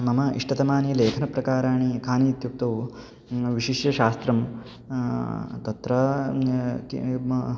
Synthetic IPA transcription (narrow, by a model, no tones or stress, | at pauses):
mɐmɐḭʂʈɐt̪ɐmaːnileːkʰɐnɐpɾɐkaːɾaːɳ̃ikʰaːniːt̪jup̚t̪ɐː | ʋiʃiʂjɐʃaːst̪ɾɐm | t̪ɐt̪ɾɐ | kḭ